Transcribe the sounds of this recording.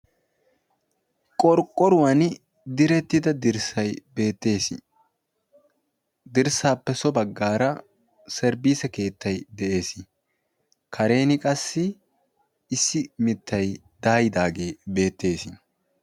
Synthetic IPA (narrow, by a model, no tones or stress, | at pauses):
kʼɔɾkʼːɔɾʊwɐn | d̪ɪɾɛt̪ːɪd̪ɐd̪ɪɾsɐjbe̞ːt̪ːeːs | d̪ɪɾsaːpːɛsɔbɐɡːaːɾɐ | sɛɾbiːsɛke̞ːt̪ʰːɐjd̪ɛʔe̞ːsɪ | kʰɐɾe̞ːnɪkʼɐsːɪː | sːɪmɪt̪ʰːɐj | d̪̥aːjɪd̪aːɡe̞ːbe̞ːt̪ːe̞ːsɪ